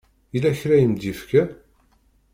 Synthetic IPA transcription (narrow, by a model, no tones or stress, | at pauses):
ilæçɾæjəmd̪ifkæ